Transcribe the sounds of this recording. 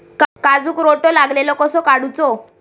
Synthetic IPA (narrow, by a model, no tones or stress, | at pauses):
kkad͡zuːkɾoʈolaɡlelɔkɔsɔkaɽut͡sɔ